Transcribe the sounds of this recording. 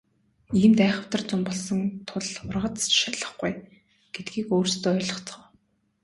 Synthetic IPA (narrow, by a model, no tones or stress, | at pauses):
iːmt̪æːχə̆w̥t̪ə̆rt͡sʊmpɔɮsɞ̆ŋt̪ʰʊɮʊrʁə̆t͡s̪ʃaɮə̆χɡuj | ɡ̥et̪ɡiːkoːrst̪oːœːɮɞə̆χt͡s̆ə̆w